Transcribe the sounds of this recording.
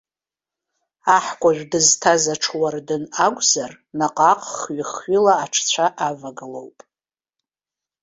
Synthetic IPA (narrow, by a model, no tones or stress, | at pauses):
aħkʷʼaʒᶣdɨztʰazaʈ͡ʂʰwardɨnakʷʼzar | naqʼaqʼχɥiχɥilaːʈ͡ʂʰt͡ɕʷʰaʔavaɡɨlo̞̰wpʼ